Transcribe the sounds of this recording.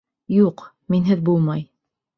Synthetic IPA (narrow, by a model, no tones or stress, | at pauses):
juq | minɦɘðbulˠmɑj